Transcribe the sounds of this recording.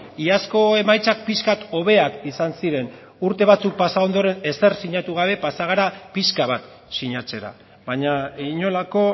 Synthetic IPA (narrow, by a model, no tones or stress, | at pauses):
iasko̞e̞majt͡sak̚piskat̪o̞β̞e̞akisansiɾe̞n | uɾt̪e̞β̞at͡suk̚pasao̞nd̪o̞ɾe̞ne̞se̞rsiɲat̪uɣ̞aβe̞pasaɣ̞aɾapiskaβat̪ | siɲat͡se̞ɾa̰ | βaɲaiɲo̞lako̞